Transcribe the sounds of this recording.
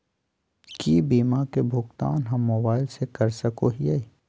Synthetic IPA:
kiːbiːmakebʱʊɡt̪a̰ːnɦɐmːoːbaːɪlsekɐɾsɐkoɦie

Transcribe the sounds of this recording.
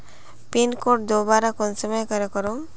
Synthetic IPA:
pinkoʈ̚d̪obaɾakonsɔmɔjekɔɾekɔɾoŋ

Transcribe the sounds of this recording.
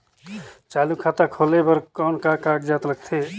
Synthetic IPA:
t͡ʃaːlukʰaːt̪akʰoːlebəɾkɔːnkakaːʈd͡ʒaːt̪ləɡ̚t̪ʰeː

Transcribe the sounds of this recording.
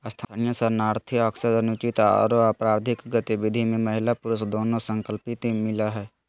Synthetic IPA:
st̪ʰaːnijəsəɾnaːɾt̪ʰiəksəɾənʊt͡ʃit̪ɔ̰ːɾapɾaːɾd̪ʱɪkɡət̪iʋɪd̪ʱimẽməɦɪlapʊɾʊsd̪oːnõsə̃ŋkəlpɪt̪mɪlaɦɛː

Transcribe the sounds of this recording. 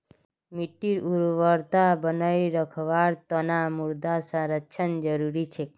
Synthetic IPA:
miʈːiɾuɾʋəɾt̪abənaiɾəkʰʋaɾt̪ənamuɾd̪asə̃ɾətːʃʰənd͡ʒəɾuɾit͡ʃʰe

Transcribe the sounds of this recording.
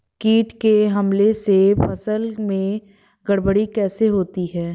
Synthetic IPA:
kiːʈkeɦɐmlesepɐsəlmẽ | ɡɐɽbəɽikɛːseɦoːt̪iɦɛː

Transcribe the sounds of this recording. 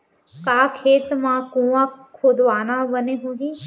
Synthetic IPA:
kaːkʰeːt̪mãːkũːʋãkʰod̪ʋaːnabəneɦũːɡiː

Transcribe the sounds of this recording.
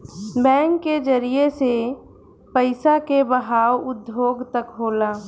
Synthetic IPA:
bɛ̃ːŋkːed͡ʒəɾijese | pəɪsakebəɦaːwʊd̪joːɡt̪əkɦoːlaː

